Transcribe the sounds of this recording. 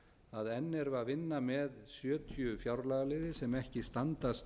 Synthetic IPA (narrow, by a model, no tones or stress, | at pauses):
aðɛnːɛɾvavɪnːamɛðsjœːt̪ʰjʏfjawɾlaɣalɪːðɪsɛmɛhcɪst̪ant̪ast̪